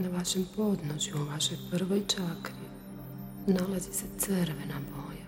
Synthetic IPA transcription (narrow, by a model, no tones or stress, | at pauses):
naʋaʃempo̞d̪noʃjuuʋaʃo̞jpr̩ʋojt͡ʃakɾi | nalazise̞t̪sɨɾʋenaboja